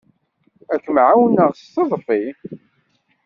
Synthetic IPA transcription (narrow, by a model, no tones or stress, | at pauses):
ækmʕawnːəʁst̪ːəðˤfi